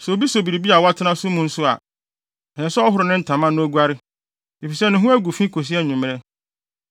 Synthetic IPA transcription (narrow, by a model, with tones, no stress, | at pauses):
sɛ˨o˨bi˦so˨bi˨ɾi˨bi˦a˨wa˦tʰɪ˦nã˦sʊ˦mʊ̃˨n̩˦sʊ˦a̰˨ | hɛ˨sɔ˦ɔ˦ɦʊ˦ɾʊ˨nɪ̃˦n̩˨tʰã˨mã˦nʊ̃˦ɡʷa˦ɾɪ˦ | i˨fi˨sɛ˦nʊ̃˨ɦũ˦æ˦ɡu˨fĩ˦kʰo˨s̬i˦ɛ˦ɲũ˨m˨ɛ˦